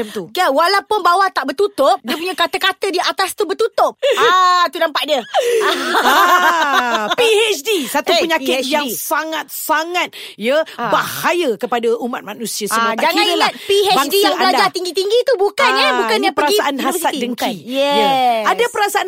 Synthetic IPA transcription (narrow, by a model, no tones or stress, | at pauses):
əmt̪uɡawalawpʊnbawat̪aʔbərt̪ut̪ʊp̚diəpuɲakat̪əkat̪ədiat̪ast̪ubət̪ut̪ʊp̚t̪unampaʔ̚diəaa | piɛt͡ʃdisat̪upəɲakɪt̪̚jaŋsaŋat̪̚saŋãt̪̚jəbahajəkəpadaʔumat̪̚manũsiasəmad͡ʒaŋãnəlat̪̚piɛbadijaŋɡəladd͡ʒat̪iŋɡit̪iŋɡit̪ubukannjabukanapəɾaisaʔanhavsiat̪̚idəŋkaijɛjaadapəɾasaan